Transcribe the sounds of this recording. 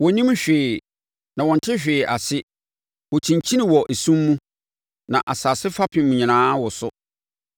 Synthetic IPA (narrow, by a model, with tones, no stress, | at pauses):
wɔ˨˦nĩ˦mɕᶣɪː˨ | nã˨wɔ̃˨n˨tʰɪ˦ɕᶣɪː˨ʔa˨sɪ˦ | wɔ˨t͡ɕʰĩ˨ɲt͡ɕʰi˦nĩ˨wɔ˨ʔe˨sũ˦mːũ˦ | nã˨ʔa˨saː˨sɪ˦fa˦pʰɪ̃˨mũ˨ɲĩ˨nãː˦wɔ˨sʊ˦